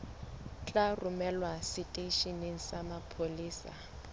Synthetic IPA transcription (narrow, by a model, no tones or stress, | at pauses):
t͡ɬʼarʊmɛlwasitʼeʃineŋ̩samapʰoliːsa̰